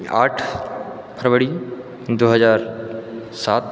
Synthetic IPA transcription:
a̰ːʈʰ | pʰɾəʋəɽi | d̪oːɦəzaːɾ | saːt̪̚

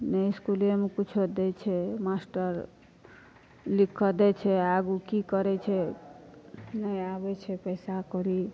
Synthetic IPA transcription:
nəjskulemekut͡ʃʰod̪ɛt͡ʃʰɛmasʈəɾ | likʰːəd̪ɛt͡ʃʰɛaɡukikəɾɛt͡ʃʰɛ | nəjabɛt͡ʃʰɛpəjsakɔɾi

